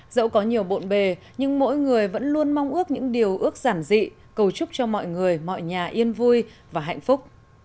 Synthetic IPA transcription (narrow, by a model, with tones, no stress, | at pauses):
zə̰˧˥wkɔ˨˦ɲi˨˩əwɓo̰˧˨nɓe˨˩ | ɲɨ˧ŋmo̰˧˥jŋɨ˨˩əjvə̰˧˥nlu˧ənma˧wŋ͡mʔɨ˦˥ək̚ɲɨ̰˧˥ŋɗi˨˩əwʔɨ˦˥ək̚z̥aː˧˩nzḭ˧˨ | kə˨˩wt͡ɕʊ˦˥k͡p̚t͡ɕɔ˧mɔ̰˧˨jŋɨ˨˩əjmɔ̰˧˨jɲaː˨˩ʔi˧ənvu˧jvaː˨˩ɦa̰˧˨jŋ̟fʊ˦˥k͡p̚